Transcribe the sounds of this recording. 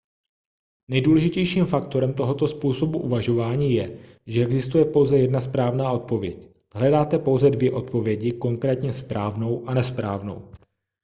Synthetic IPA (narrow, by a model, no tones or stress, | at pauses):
nɛjduːlɛʒɪcɛjʃiːmfakt̪o̞ɾɛmt̪o̞ɦo̞t̪o̞spuːso̞buʔuvaʒo̞vaːɲiːjɛ | ʒɛɛɡzɪst̪ujɛpo̞wzɛjɛdnaspɾaːvnaːʔo̞t̪̚po̞vjɛc | ɦlɛdaːt̪ɛpo̞wzɛdvjɛʔo̞t̪̚po̞vjɛɟɪko̞ŋkɾɛːt̪ɲɛspɾaːvno̞wʔanɛspɾa̰ːvno̞̰w